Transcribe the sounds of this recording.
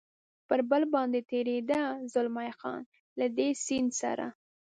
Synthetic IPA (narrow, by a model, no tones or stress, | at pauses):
pəɾbəlbɑnd̪et̪eɾed̪azʊlmajxɑ̰n | lad̪esind̪sa̰ɾa̰